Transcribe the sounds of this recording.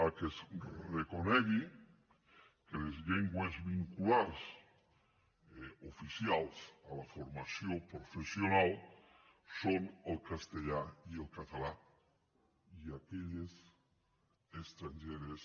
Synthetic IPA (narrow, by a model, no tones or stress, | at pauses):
akesrekoneɣi | kelezʎeŋɡwezβiŋkulaɾs | ofisjalsalafoɾmasjopɾofesjonal | sonelkast̪eʎaielkat̪ala | iakeʎes | est̪ɾaɲʒeɾes